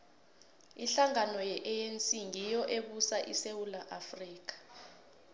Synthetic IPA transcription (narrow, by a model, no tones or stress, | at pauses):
iɬaŋanɔjɛʔɛjent͡sʼiŋijɔʔeɓusaʔḭsewulaʔafriːk̬ḁ